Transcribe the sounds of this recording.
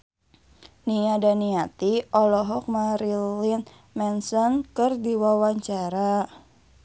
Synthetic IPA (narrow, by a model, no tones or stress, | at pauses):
niadaniat̪iɔlɔɦɔk̚maɾilin | mɛnsɔnkɨrdiwawaɲt͡ʃaɾa